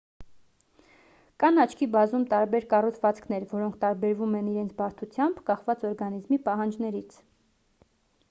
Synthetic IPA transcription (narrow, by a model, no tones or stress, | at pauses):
kɑnɑt͡ʃʰkʰibɑzumt̪ɑɾbɛɾkɑrut̪ʰvɑt͡skʰnɛɾvɔɾɔŋkʰt̪ɑɾbɛɾvumɛniɾɛnt͡sʰbɑɾt̪ʰut͡sʰjɑmbkɑχvɑt͡sɔɾɡɑnizmipɑɦɑnd͡ʒnɛɾit͡sʰ